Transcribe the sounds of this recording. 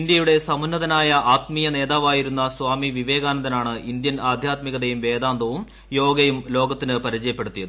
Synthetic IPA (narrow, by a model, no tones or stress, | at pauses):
ind̪jɐjuɽe̞sɐmɐnːɐðɐnaːjɐʔaːt̪miːjɐne̞ːðaːʋaːjiɾunːɐsʋaːmiʋiʋeːɡaːnɐðɐnaːɳɨʔind̪jɐnaːd̪ʱjaːt̪miɣɐðɐjumʋe̞ːd̪aːnd̪ɐʋum | jo̞ːɡɐjumlo̞ːɡɐt̪ːinɨpɐɾit͡ɕɐjɐpːe̞ɽut̪ːijɐðɨ